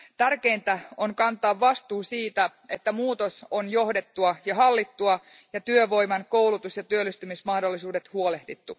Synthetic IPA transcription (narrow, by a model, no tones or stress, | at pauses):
t̪ærke̞int̪æoŋkɑnt̪ˑɑːʋːɑst̪uːsiːt̪æe̞t̪ːæmuːt̪osonjo̞hdet̪ːuɑjɑɦɑlːit̪ːuɑ | jɑt̪yøʋo̞jmɑnkowlut̪usjɑt̪yølːist̪ymismɑhdolːisuːdet̪huole̞hdit̪ːu